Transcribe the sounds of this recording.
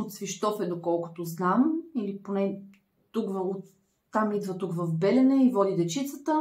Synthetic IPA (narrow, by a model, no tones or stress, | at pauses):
ot̪sviʃt̪ɔfɛd̪okɔlˠkʊ̥t̪oznamiliponɛ | t̪ukvo | t̪ːamid̪vət̪ukvɐfbɛlɛnɛivɔd̪id̪ɛt͡ʃit̪sət̪ə